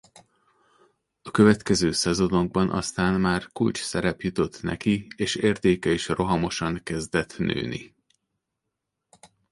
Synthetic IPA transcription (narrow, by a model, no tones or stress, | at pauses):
ɒkøvɛt̪kɛzøːsɛzo̞no̞ɡ̚bɒnʔɒ̰st̪aːnmaːrkult͡ʃsɛɾɛpjut̪o̞t̪ːnɛ̰kieːʃeːrt̪eːkɛiʃro̞ɦɒmo̞ʃɒŋkɛzd̪ɛt̪nø̰ːnḭ